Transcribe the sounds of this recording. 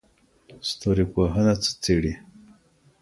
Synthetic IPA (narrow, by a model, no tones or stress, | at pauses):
st̪oɾipoɦənat͡sə̥t͡seɽi